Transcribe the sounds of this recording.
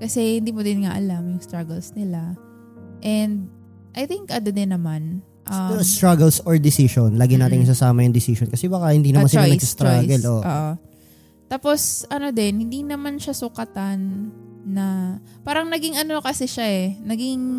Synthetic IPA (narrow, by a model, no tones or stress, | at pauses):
kɐsɛhɪnd̪iːmod̪ɪnŋa̰ʔɐ̰lamjʊŋst̪ɾaɡɛlsnɪla | ʔɛnd̪̚ | ʔɐjθɪŋkʔɐd̪od̪ɪnːɐman | ʔɐɛɾost̪ɾaɡɛlsoɹd̪ɪsiʃonlaːɡɪnaːt̪ɪns̬ɐsaːmɐjʊŋd̪ɪsiːʃonkɐsɛbaːkɐhɪnd̪iːnɐmansɪlanɐɡsst̪ɾaɡɛlʔoʔo̰ːʔo | t̪aːpo̞sʔɐno̞d̪ɛnhɪnd̪inɐmanʃasʊkɐt̪anː | ɐpaːɾɐŋnɐɡɪŋʔɐno̞kɐsɛʃaʔɛnɐɡɪŋ